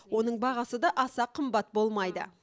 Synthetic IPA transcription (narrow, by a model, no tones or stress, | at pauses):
wo̞nəɴbɑʁɑsəd̪ɑʔɑsɑqʰːəmbɑt̪̚bo̞lˠmɑjd̪ə̰